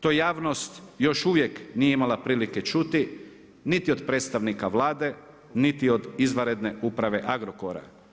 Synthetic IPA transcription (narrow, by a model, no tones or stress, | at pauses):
t̪ojejaːʋno̞st̪jo̞ʃuʋjeknijeimalapɾiːliket͡ʃut̪i | nit̪io̞d̪pɾet̪st̪aʋnikaʋlaːd̪e̞ | nit̪io̞d̪izʋaɾe̞d̪ne̞upɾaʋe̞ʔaɡɾokoɾa̰